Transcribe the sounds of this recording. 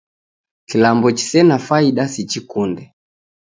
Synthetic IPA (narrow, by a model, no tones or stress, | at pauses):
kilambɔt͡ʃi̥sɛnafaiɗasit͡ʃikundɛ